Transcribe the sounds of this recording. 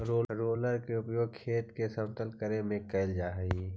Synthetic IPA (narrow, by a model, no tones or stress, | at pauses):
ɾoːɾoːləɾkeʊpjoːɡ̚kʰeːt̪kesəbt̪əlkəɾemẽkəɪld͡ʒaːɦi